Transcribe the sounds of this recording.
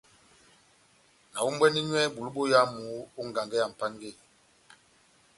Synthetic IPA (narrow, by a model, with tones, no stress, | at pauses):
na˨wu˦m˦bwɛ˦ni˦ɲwɛ˦ɓu˨lu˦ɓo˦ja˦mu˨˦u˦ŋ˨ɡa˨ŋɡɛ˦ja˨m̩˨pa˦ŋɡe˦˨